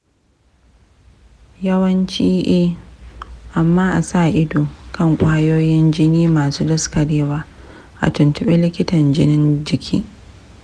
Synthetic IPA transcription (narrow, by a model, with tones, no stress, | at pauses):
jɐ˦wɐ˦nt͡ʃiː˦ʔeː˦ | ʔa˨mːaː˦ʔa˨saː˦˨ʔɪ˦doː˨kɐ˦˨ŋkʷʼa˦joː˦jɪ˦nd͡ʒɪ˦niː˦maː˨suː˦dɐ˦skɐ˨deː˦waː˦ | ʔa̰˨tʊ˨ntʊ˦ɓe˦lɪ˦kʲɪ˦tɐ˨nd͡ʒɪ˦nɪ˦nd͡ʒɪ˨kʲʰḭː˦